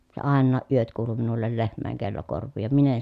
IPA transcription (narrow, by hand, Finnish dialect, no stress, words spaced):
se ɑˑenːɑː ʔyøt kuːlu minulːel lehmˑæˑeŋ kelːo korʋˑiː jɑ min en